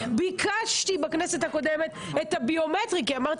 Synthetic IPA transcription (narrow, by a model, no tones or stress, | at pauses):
bikaʃt̪ibaknese̞thako̞demet̪ | et̪habio̞metʁik̬iamaʁt̪